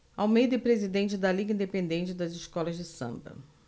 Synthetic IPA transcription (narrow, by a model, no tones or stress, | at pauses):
awmejd̪ɐɪpɾezid̪ẽnt͡ʃɪd̪ɐliɡɐĩd̪epẽnd̪ẽt͡ʃɪd̪ɐzɪʃkɔlɐzd͡ʒɪsɐ̰̃mbɐ̰